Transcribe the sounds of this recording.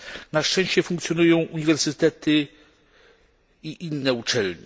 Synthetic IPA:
naʂt͡ʂɛ̃w̃ɕt͡ɕɛfuŋkt̪sʲjɔnujɔ̃w̃ʔuɲivɛɾsɘt̪ɛt̪ɘ | iʔinːɛut͡ʂɛlɲḭ

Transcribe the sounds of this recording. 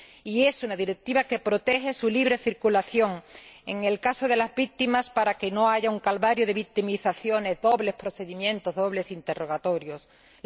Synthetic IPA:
ie̞sunaðiɾe̞k̚t̪iβake̞pɾo̞t̪e̞xe̞suliβ̞ɾe̞θiɾkulaθjo̞ŋe̞ŋe̞lkaso̞ð̞e̞lazβik̚t̪imaspaɾake̞no̞aʝauŋkalβaɾjoð̞e̞βik̚t̪imiθaθjo̞ne̞zðo̞βle̞hspɾo̞θe̞ðimjẽ̞nt̪o̞zðo̞βle̞sint̪e̞ro̞ɣ̞at̪o̞ɾjo̞s

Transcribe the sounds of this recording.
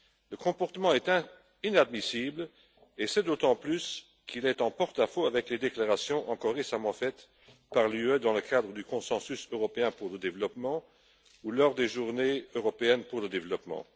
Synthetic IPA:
ləkɔ̃pɔʁt̪əmɑ̃ɛt̪ɛ̃ | inad̪misibl | esɛd̪ot̪ɑ̃plys | kʰilɛt̪ɑ̃pɔʁt̪afoavɛkled̪eklaʁasjɔ̃ʔɑ̃kɔʁːesamɑ̃fɛt̪ | paʁlyød̪ɑ̃ləkad̪ʁəd̪ykɔ̃sɑ̃sysøʁɔpeɛ̃puʁləd̪evlɔpmɑ̃ | ulɔʁd̪eʒuʁneøʁɔpeɛnpuʁləd̪evlɔpmɑ̰̃

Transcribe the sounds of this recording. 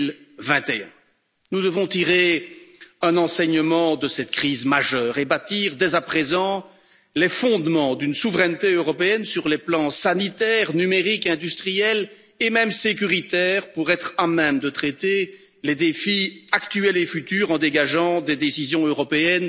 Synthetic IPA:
lvɛ̃t̪ẽ | nud̪əvɔ̃t̪iʁe | ɛ̃nɑ̃sɛɲəmɑ̃d̪əsɛt̪kχiːzmaʒœːʁebat̪iːʁd̪ɛzapχezɑ̃ | lefɔ̃d̪mɑ̃d̪ynsuvʁɛnt̪eøʁɔpeɛnsyʁleplɑ̃sanit̪ɛʁnymeʁikɛ̃d̪yst̪χijɛl | emɛmsek̬ʲyʁit̪ɛːʁpuʁɛt̪χamɛmd̪ət̪χet̪e | led̪efiakt̪yɛlefyt̪yːʁɑ̃d̪eɡaʒɑ̃d̪ed̪esizjɔ̃øʁɔpeɛn

